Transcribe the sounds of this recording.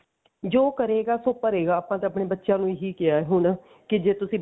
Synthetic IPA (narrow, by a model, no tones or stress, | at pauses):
d͡ʒoːkəɾeːɡaːsoːpəɾeːɡaːəpãːt̪eːəpɽeːbətːʃjãːnũːɦiːkɪaːɛːɦʊɳ | kɪd͡ʒeːt̪ʊsĩː